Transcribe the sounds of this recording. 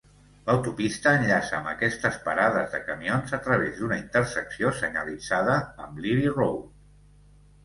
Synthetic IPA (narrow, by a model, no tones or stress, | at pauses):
ləwt̪upist̪əːnʎasəːmbəkɛst̪əspaɾaðəzðəkəmionzət̪ɾəβezd̪unəint̪əɾsəksiosəɲəlid͡zaðəːmliβirow